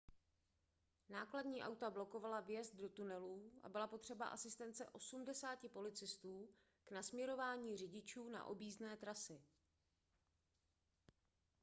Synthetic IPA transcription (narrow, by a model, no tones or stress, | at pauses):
naːkladɲiːʔa̰wt̪ablo̞ko̞valavjɛzd̪̚do̞t̪unɛluːʔa̰bɪlapo̞t̪r̝̥ɛba̰ʔasɪst̪ɛnt͡sɛ̰ʔo̞sumdɛsaːcɪpo̞lɪt͡sɪst̪uː | knasmɲɛɾo̞vaːɲiːrɪɟɪt͡ʃuːna̰ʔo̞̰biːznɛːt̪ɾasɪ